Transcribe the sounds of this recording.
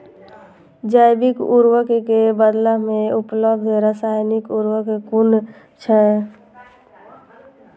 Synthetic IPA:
d͡ʒaɪbɪkuɾwəkkebəd̪lamẽʊpləbd̪ʱɾəsaːjnɪkʊɾwəkkʊn | t͡ʃʰɛ

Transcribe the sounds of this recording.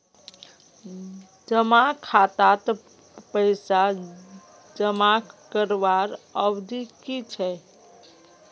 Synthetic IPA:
d͡ʒəmakʰat̪at̪ | pəɪsa | d͡ʒəmakəɾʋaɾəʋd̪ʱikit͡ʃʰɛ

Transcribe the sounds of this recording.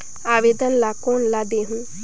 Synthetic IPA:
aːʋeːd̪ənlaːkoːnlaːd̪eːɦũː

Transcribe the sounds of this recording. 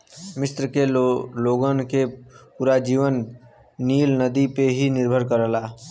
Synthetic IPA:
mɪst̪ɾəkeloːɡənkepuɾad͡ʒiːʋənː | iːlnəd̪ipeɦinɪɾbʱəɾkəɾəlaː

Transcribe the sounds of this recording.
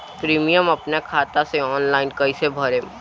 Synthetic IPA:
pɾiːmijəmɐpnakʰaːt̪aseɔːnlaːɪnkɐisebʱɐɾẽ

